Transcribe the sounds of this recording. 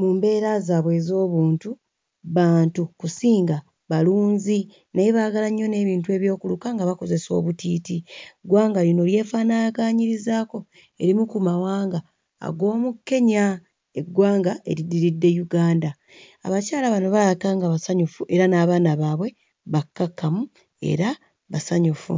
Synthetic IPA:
mumbe̞ːɾazaːβwe̞ːzo̞ːβuːntu | βaːntukusiːŋɡa | βaluːnzi | naiβaɡalaɲːo̞ne̞ːβiːntuwe̞ːβjo̞ːkulukaŋɡaβako̞ze̞so̞̰ːβutiːtiɡwaːŋɡalino̞lje̞ːfaːnajaɡaːɲiɾizaːko̞ | e̞ɾimukumawaːŋɡa | a̰ɡo̞ːmukːe̞ɲa | e̞ɡwaːŋɡaʔe̞̰ɾidiɾidːe̞juɡaːnda | a̰βacaːlaβano̞βaakaŋɡaβasaɲufuʔe̞ɾanaːβaːnaβaːβwe̞ | βakːakːamu | e̞̰ɾa | βasaɲufṵ

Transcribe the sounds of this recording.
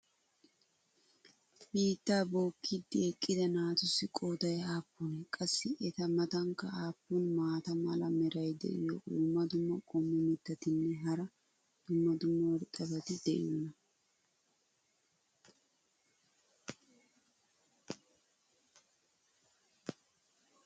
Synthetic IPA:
biːt̪ːaːbo̞ːkʰːɪd̪ːɪɛkʼːɪd̪ɐnaːt̪ʊsɪkʼoːd̪ɐjaːpːʊnɛkʼɐsːɪʔɛt̪ɐmɐt̪ɐŋkːɐaːpːʊnmaːt̪ɐmɐlɐmɛɾɐjd̪ɛ̰ʔɪ̰jɔʔuːmːɐd̪ʊmːɐkʼɔmːʊmɪt̪ːɐt̪ɪnːɛɦɐɾɐ | d̪̥ʊmːɐd̪ʊmːɐwɛɾt̪ʼɐbɐt̪ɪd̪ɛʔɪ̰jɔnɐ

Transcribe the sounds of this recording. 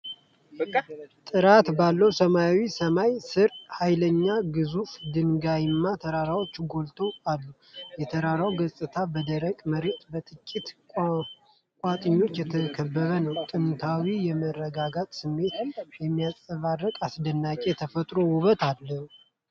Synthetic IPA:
t̪ʼɨɾat̪balːəwsəmajawisəmajsɨɾhajləɲːaɡɨzufd̪ɨnɡajɪnːat̪ʰəɾaɾawo̞t͡ʃːɡo̞lt̪ʰowalːu | jɛt̪ʰəɾaɾawɡəsʼɨt̪ʰabəd̪əɾəkʼməɾe̞t̪bət̪ʼɨkʼːit̪ | kʷʼat̪ʼɨɲːo̞t͡ʃːjɛt̪ʰəkʰəbːəβənəwt̪ʼɨnt̪ʰawijɛmərːəɡaɡat̪ʼsɨmːe̞t̪jɛmːijasʼəβarːəkʼasd̪ənːat͡ʃʼeɛt̪ʰəfət̪ʼɾo̞wuβət̪ʰalːə

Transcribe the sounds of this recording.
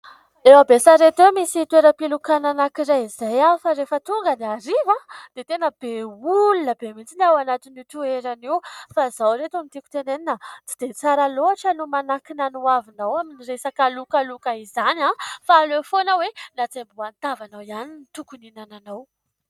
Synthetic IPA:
ewəbesaɾet̪ewmisit̪ueɾəpilukananakiɾaizajafaɾefət̪uŋɡənaɾivad̪̥et̪enəb̥eulunəbemint͡sinawanat̪init̪ueɾaniwfazawɾet̪umit̪iku̥t̪eneninat͡si̥d̪et͡saɾaloaʈ͡ʂənumanakinanuavinawaminiresakalukalukaizanafaːlefonəwenat͡sembuant̪avanawjaninit̪ukuninananaw

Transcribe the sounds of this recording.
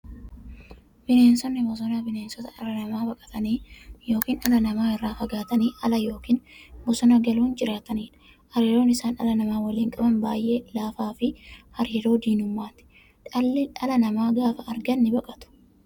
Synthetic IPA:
bɪne̞ːnsɔnːɪbɔs̬ɔnabɪneːnsɔt̪ɐ̥ʔɐlɐnɐmaːbɐkʼɐ̥t̪ɐniːjo̞ːkiːnʔɐlɐnɐmaːɪrːaːfɐɡaːt̪ɐniːʔɐlɐjoːkiːnbɔsɔnɐɡɐluːnd͡ʒɪɾaːt̪ɐniːᶑɐ̥ | hɐɾiːɾo̞ːnɪsaːnɐlɐnɐmaːwɐliːŋkʼɐbɐnbaːjʔe̞ːlaːfaːfɪhɐɾiːɾo̞ːd̪iːnʊmːaːt̪ɪ̥ | ᶑɐlːɪᶑɐlɐnɐmaːɡaːfɐʔɐɾɡɐnːɪbɐkʼɐt̪ʊ̥

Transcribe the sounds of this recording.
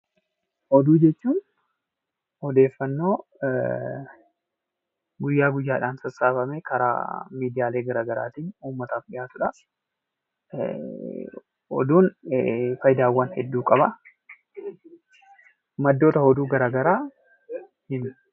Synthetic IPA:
hɔd̪uːd͡ʒɛt͡ʃːuːn | hɔd̪e̞ːfːɐnːo̞ː | ɡʊjːaːɡʊjːaːᶑaːnsɐsaːfɐmeːkɐɾa̰ːmiːd̪ɪjaːle̞ːɡɐɾaːɡɐɾa̰ːt̪iːnuːmːɐt̪ɐːfɪjaːt̪ʊᶑɐ | ɔ̰d̪uːnfɐjd̪aːwːɐnhɛd̪ːuːkʼɐbɐ | mɐd̪ːo̞ːt̪ɐhɔd̪uːɡɐɾaːɡɐɾaː | hɪn

